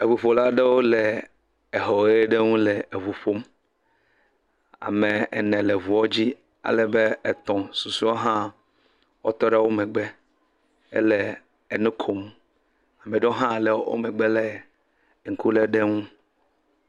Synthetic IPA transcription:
e˨vu˨ɸo˨la˦ɖe˦wo˦le˨ | e˨ɦɔ˨˦e˦ɖe˦ŋũ˦lɛ˨e˨vu˨ɸo˦m | a̰˨mẽ˨ɛ̰˨nɛ̃˨le˨vu˨wɔ˦d͡ʑi˦ | a̰˨lɛ˨be˦ɛ˨t̪ɔ̃˨su˨su˦wo˦ɦã˦ | wo̰˦t̪ɔ˦ɖa˦wo˦mɛ̃˨ɡ͡be˦ | ḛ˦le˨ | e˨nũ˦kʰo˨m | a˨mẽ˨ɖe˦o˦ɦã˦˨le˨˦wo̰˦mɛ˨ɡ͡be˦lɛ˨ | ŋ̩˨ku˦le˦ɖe˦ŋũ˦

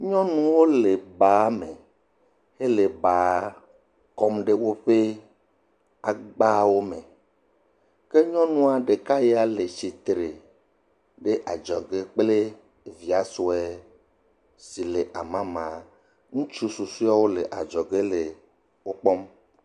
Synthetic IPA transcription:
ɲɔ̃˦nũ˦wo˦le˨ba˨˦me˨ | he˦le˨ba˨˦ | kɔ˦mɖe˦wo˦ɸe˦ | a˨ɡ͡ba˦wo˦me˨ | ke˦ɲɔ̃˦nũ˦a˨ɖe˨ka˦je˦a˦le˨t͡ʃi˨t̪ɾe˨ | ɖe˦ʔa˨d͡ʒɔ˨ɡe˦k͡ple˦˨ | vi˨a˨so˨ɛ˦ | si˨le˨ʔa˨mã˦mã˨ | ŋũ˦t͡ʃu˦su˨su˦a˦wo˦le˨ʔa̰˨d͡ʒɔ˨ɡe˦le˨ | wo˦k͡pɔ˦m

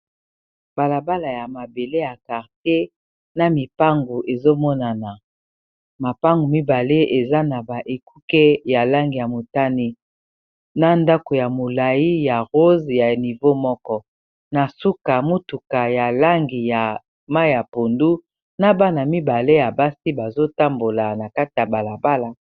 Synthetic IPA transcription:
b̥a˨la˨ba˦la˨ja˨ma˨be˨le˦ja˨ka˨ʁte˦ | na˦mi˨pa˦ŋɡu˨ʔe˨zo˦mɔ˦na˨na˨ | ma˨pa˦ŋɡu˨mi˦ba˨le˦e˨za˦na˨ba˨ʔe˨ku˦kɛ˦ja˨la˦ŋɡi˨ja˨mo˨ta˦ni˦ | na˦nda˦ko˨ja˨mo˨la˨ji˦ja˨ʁo˦zja˨ni˨vo˦mɔ˦kɔ˦ | na˨su˦ka˨mo˦tu˨ka˨ja˨la˦ŋɡi˨ja˨ | ma˦i˦ja˨po˨ndu˦ | na˦ba˦na˨mi˦ba˨le˦ja˨ba˦si˦ba˨zo˦ta˦mbo˨la˨na˨ka˦ti˨ja˨ba˨la˨ba˦la˨

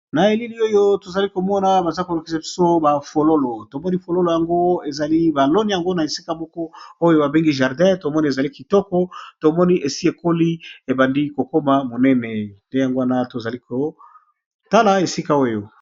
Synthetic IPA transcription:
na˨e˨li˦li˦o˦jo˦to˨za˨li˦ko˨mɔ˦na˦ba˨za˦li˦ko˨lu˨ki˦sa˨pi̥˨so˦ba˨fo˨lo˦lo˨to˨mɔ˦ni˦fo˨lo˦lo˨ja˨ŋɡo˦e˨za˨li˦ba˨lo˦ni˦ja˨ŋɡo˦na˨e˨si̥˦ka˦mɔ˦kɔ˦o˦jo˦ba˨be˦ŋɡi˦ʒa˨ʁdɛ̃˦to˨mɔ˦ni˦e˨za˨li˦ki˨tɔ˦kɔ˦to˨mɔ˦ni˦ʔe˨si˦e˨ko˦li˦e˨ba˨ndi˦ko˨ko˦ma˨mo˨nɛ˦nɛ˨nde˦ja˨ŋɡo˦wa˦na˦to˨za˨li˦ko˨ | ta˦la˦e˨si˦ka˦o˦jo˨

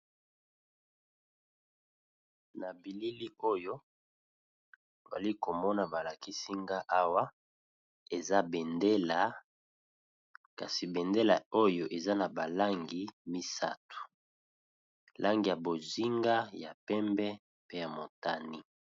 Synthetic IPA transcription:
na˨bi˨li˦li˦o˦jo˦ | o˨za̰˨li˦ko˨mɔ˦na˨ba˨la˨ki˦si˦ŋɡa˦ʔa˦wa˦ | e˨za˦bɛ˨nde˦la˨ | ka˨si˨bɛ˨nde˦la˨o˦jo˦ʔe˨za˦na˨ba˨la˦ŋɡi˨mi˦sa̰˦tu̥˨ | la˦ŋɡi˨ja˨bo˨zi˦ŋɡa˦ja˨pɛ˦mbɛ˦ | pe˦ja˨mo˨ta˦ni˦

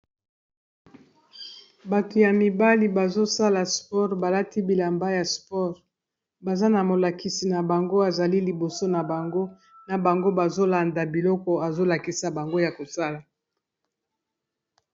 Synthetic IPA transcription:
ba˨to˨ja˨mi˨ba˦li˨ba˨zo˦sa˦la˨spɔ˦ʁba˨la˦ti˦bi˨la˨mba˦ja˨spɔ˦ʁ | ba˨za˦na˨mo˨la˨ki˨si˨na˨ba˨ŋɡo˦a˨za˨li˦li˨bo˨so˦na˨ba˨ŋɡo˦ | na˨ba˨ŋɡo˦ba˨zo˦la˨nda˨bi˨lɔ˦kɔ˨a˨zo˦la˨ki˦sa˨ba˨ŋɡo˦ja˨ko˨sa˦la˨

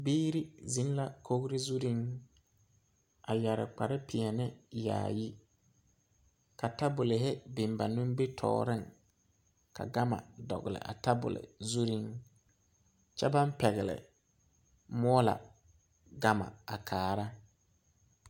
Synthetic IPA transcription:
biː˦ɾi˦zi˨˦n˦la˨kʰo˦ɣɾɪ˦zu˦ɾi˦ŋ | a˨ja˨ɾɪ̰˨k͡pa˨ɾɪ˦pɪ˨a˨nɪ˦ja̰ː˨ji˦ | ka˨ta˦bʊ˨lɪ˨ɦɪ˦bɪ˨mba˨nʊ̃˦m˦be˦tʰɔ̰ː˨ɾɪ˦˨ŋ | ka̰˨ɡa˦ma̰˨dɔ̰˨ɣɪ˨lɪ̰˨ʔa̰˨ta˦bʊ̰˨lɪ̰˨zu˦ɾi˦ŋ | t͡ʃɛ˦ba˦mpɛ˨ɣɪ˨lɪ̰˨ | mɔ˦ɔ˦la̰˨ | ɡa˦ma̰˨a˨kʰaː˨ɾa˦

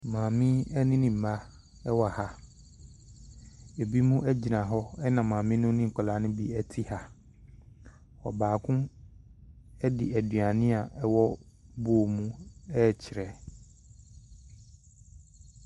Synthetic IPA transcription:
mãː˨mɪ̃˦ɛ˦nɪ̃˦nɪ̃˨m̩˨ma˦ | ɛ˦wɔ˦˨a˨ha˦ | e˨bi˦mũ˦ʔæ˦d͡ʑi˨nã˨ɦɔ˦ɛ˦nã˨mãː˨mɪ̃˦nʊ̃˦nɪ̃˦ŋ̩˨kʷʰɔ˨la˨˦nʊ̃˦bi˦ɛ˦tʰi˦ha˨ | hɔ̰˨baː˨kʰʊ̃˦ | ɛ˦dɪ̰˨æ˨dɥa˨nɪ̃˦a˨ʔɛ˦wɔ˦ | bʊ˦o˨mũ˦ɛ˦˨t͡ɕʰɪ˨ɾɛ˨

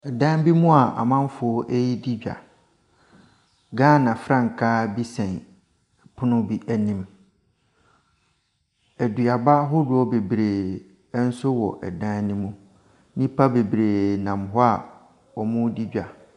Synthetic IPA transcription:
ɛ˨dã˦n˦bi˦mũ˦a˨ʔa̰˨mã˦m˦fʊ˨ɔ˦ʔe˦ji˦di˦d͡ʑᶣa̰˨ | ɡãː˦˨nã˨fɾã˦˨ŋ̩˨kʰa˦bi˦sɛ̃˨n˨ | pʰʊ˦nʊ̃˦bi˦ʔæ˨nĩ˨m | æ˨dɥa˨ba˦ɦʊ˦dʊ˦ɔ˦be˨bɾe˨˦ | n̩˦sʊ˦wɔ̰˨ʔɛ̰˨dã˦nnĩ˦mũ˦ | nĩ˦pʰa˦be˨bɾe˨nã˨mɦɔ˦a˨ | ɔ˨mʊ̃˦di˦d͡ʑᶣa˨

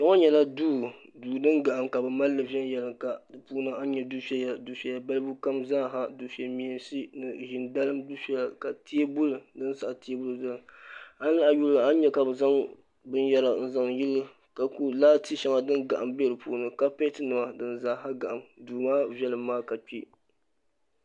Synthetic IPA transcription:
tɔ˦ŋɔ˦ɲɛ˨la˦duː˦duː˨dɨ˦nɡa˨ʔa˨mka˨bɨ˨ma˦lːɨ˨vɛ˦n˦jɛ˨lɨ˨ka˨dɨ˨puː˦nɨ˨a˦n˦ɲɛ˨du˦fɛ˦ja˨du˦fɛ˦ja˦ba˦lɨ˦bu˦ka˦mzaː˦ɦa˦du˨fɛ˨mi˨ɛ˨n˦si˦nɨ˨ʒɪ˨nda˦lɨ˦mdu˦fɛ˨la˨ka˨tʰi˦bʊ˦lɨ˨dɨ˦n˦sa˨ʔti˦e˦bʊ˦lɨ˨zɨ˦˨a˦n˦la˦ʔa˨ju˦la˦n˦ɲɛ˦ka˨bɨ˨za˦ŋ | bɨ˦njɛ˦la˨n̩˦za˨ŋji˦lɨ˦ | ka˨ku˦laː˦ti˦ʃɛ˦ŋa˨dɨ˦nɡa˨ʔa˨mbɛ˦ɾɨ˨pu˦˨˦nɨ˨ka˦pɛ˦tɨ˦nɨ˨ma˦dɨ˦n˨za˦ɦa˦ɡa˨ʔa˨mduː˨maː˦vɛ˦lɨ˨mːaː˦ka˨k͡pi˦

